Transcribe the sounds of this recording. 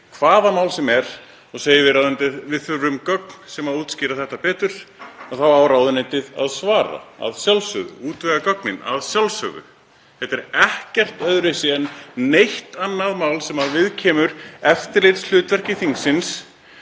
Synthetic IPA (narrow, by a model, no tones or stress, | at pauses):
kʰvaːðamaːwlsɛmɛɾ̥ | ɔɣseːjɪvɪɾawðʏnt̪ɪðvɪðθʏɾʏmkœk̚nsɛmaðuːt̪scɪːɾaθɛht̪apɛːt̪ʏɾ̥aθawaːwɾaːwðʏnent̪ɪða̰ðsvaːɾa̰a̰ðsjalsœɣʏ̰uːt̪vɛɣakœk̚nɪna̰ðsjalsœ̰ɣʏ̰ | θɛt̪ɛɾɛhcɛr̥t̪œðɾɪsɪɛnnejht̪anːaðmawlsɛmaðvɪðcʰɛːmʏɾɛft̪ɪɾlejt̪sl̥ʏːt̪vɛr̥cɪθiŋksɪns